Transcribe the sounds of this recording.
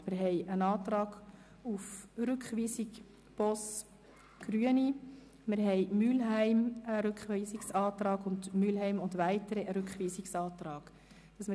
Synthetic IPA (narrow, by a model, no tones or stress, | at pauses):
mɪɾɦɛɪənɑːtɾɑːɡ̥ | ufɾʏkχʋiːsɪk | b̥ɔs | ɡ̥ryəni | mɪɾɦɛɪmyːlɦæɪməɾʏkχʋiːsɪksɑːtɾɑːɡʊndmylɦɛɪmʊndʋæɪtəɾəəɾʉkχʋiːsɪksɑːtrɑːɡ̥ | d̥ɑsmɪ